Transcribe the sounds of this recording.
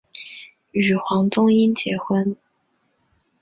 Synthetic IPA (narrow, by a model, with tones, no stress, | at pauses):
y˨˩xwɑ˧˥ŋt̪ʊ˥ŋi˥nt͡ɕjɛ˧˥xwə˥n